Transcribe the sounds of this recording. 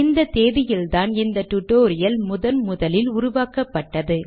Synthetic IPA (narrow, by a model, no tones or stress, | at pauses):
ɪnd̪ɐt̪eːʋɪjɪlt̪aːnɪnd̪ɐt̪ʊʈːoːɾɪjɐlmʊðɐnmʊðɐlɪlʊɾʊʋaːkɐpːɐʈːɐðɯ